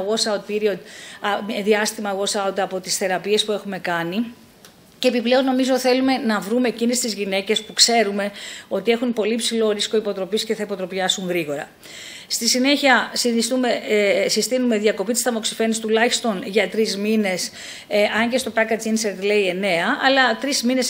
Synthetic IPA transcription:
ɣo̞sɐwt̪̚piɾio̞d̪ɐmðiɐst̪imɐɣo̞sɐut̪ɐpo̞t̪isθe̞ɾɐpie̞spue̞xume̞kɐni | ceepiple̞o̞nno̞mizo̞θe̞lume̞nɐvɾume̞ːcinest̪izʝine̞ce̞spukse̞ɾume̞o̞t̪iexunpo̞lipsilo̞ɾisko̞ipo̞t̪ɾo̞pisce̞θɐipo̞t̪ɾo̞piɐsuŋɣɾiɣo̞ɾɐ̰ | st̪isine̞çiɐsist̪umesist̪inume̞ðiɐko̞pit̪ist̪ɐmo̞ksi̥fe̞nist̪ulɐçist̪o̞nʝɐt̪ɾizmine̞s | ʔɐɲɟe̞st̪o̞pɐkɐt͡sinseɾt̪le̞ie̞ne̞ɐʔːlɐt̪ɾizmine̞s

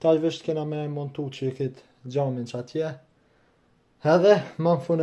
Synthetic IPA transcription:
t̪ajviʃt̪kɛnamɛmɔnt̪ut͡ɕəkit̪ | d͡ʑamint͡ʃat̪jɛ | ɛðɛmanfun

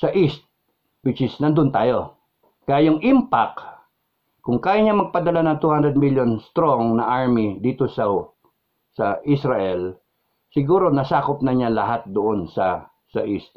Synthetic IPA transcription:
sɐʔist̪̚ | wɪt͡ʃɪsnɐnd̪ʊnt̪aːjo̞ | kɐjaːjʊŋʔɪmpak | kʊŋkaːjaɲamɐɡ̚pɐd̪ɐlanɐŋt̪uːhand̪ɾɛd̪̚miljonst̪ɾoŋnɐʔaɹmid̪iːt̪osɐ | sɐʔisɾɐʔɛl | sɪɡuːɾo̞nɐsaːkop̚nɐɲalɐɦat̪̚d̪ʊʔonsɐ | sɐ̰ʔist̪̚

